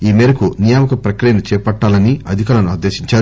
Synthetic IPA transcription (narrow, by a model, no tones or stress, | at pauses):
iːmɛːɾɐkunijaːmɐkɐpɾɐkɾijɐnut͡ʃɛːpɐʈːaːlɐniɐd̪ʱikaːɾɐnuɐaːd̪eːʃiɲt͡ʃaːɾu